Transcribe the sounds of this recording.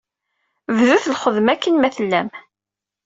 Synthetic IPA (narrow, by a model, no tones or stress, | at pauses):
vðuθlχəðmækʰːənmæθəlːæm